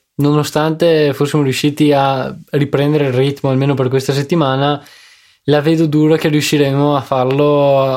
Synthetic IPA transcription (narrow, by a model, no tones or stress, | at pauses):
nonost̪ant̪efosːimoɾiuʃːiːt̪iaripɾɛnd̪eɾeirrit̪moalmeːnoperkwest̪as̬et̪ːimaːna | laveːd̪od̪uːɾak̟eriuʃːiɾemoafarlo